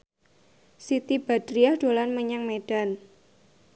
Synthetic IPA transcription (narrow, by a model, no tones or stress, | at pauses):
sit̪ib̥a̤d̪̥ɾiahd̥o̤lanməɲaŋmeɖ̥a̤n